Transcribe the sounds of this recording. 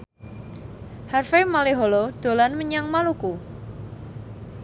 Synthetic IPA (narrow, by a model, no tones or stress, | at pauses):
harfemaleɦolod̪̥o̤lanməɲaŋmaluku